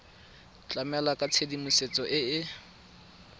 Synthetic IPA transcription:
t͡ɬʼamɛlakʼat͡sʰedimuset͡sʼɔʔɪɪ

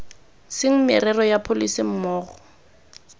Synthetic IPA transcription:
sɪŋ̩mɪrɛrɔjapʰolisim̩mɔːɣɔ

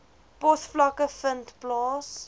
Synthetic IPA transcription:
pɔθflakəfəntplɑːs

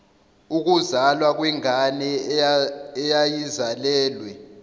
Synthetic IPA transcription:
uk̬uzalwak̬wɛŋʱanɛː | jajizalɛːlwɛ

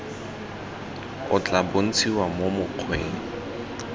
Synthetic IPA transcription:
ʊt͡ɬʼabon̩t͡sʰiwamomʊq͡χʰweːŋ̩

